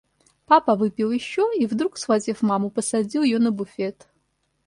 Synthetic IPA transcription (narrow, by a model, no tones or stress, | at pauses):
papɐvɨpʲilˠjɪʃːoivd̪ɾuksvazʲifmamupɐsɐd͡zʲilˠɪjonɐbufʲetʰ